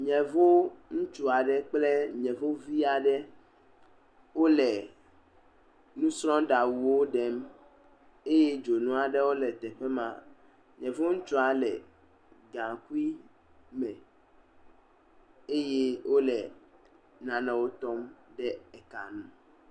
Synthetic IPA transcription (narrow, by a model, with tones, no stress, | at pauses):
ɲɛ̃˨vo˦ŋũ˦t͡ʃu˦a˨ɖɛ˦˨k͡plɛ˦ɲɛ̃˨vo˦vi˦a˨ɖɛ˦ | wo˦lɛ˨ | nũ˦sɾɔ̃˦ɖa˨wu˨wo˦ɖɛ˦m | e˦je˦d͡ʒo˨nũ˦a˨ɖɛ˦wo˦lɛ˨t̪ɛ˨ɸɛ˦mã̰˨ | ɲɛ̃˨vo˦ŋũ˦t͡ʃu˦a˨lɛ˨ | ɡã˨ku˦i˦ | mɛ̃˨ | e˦je˦wʔo˦lɛ˨ | nã˨nɛ̃˨wo˦t̪ɔ˦mɖɛ˦ɛ˨ka̰˨nũ˦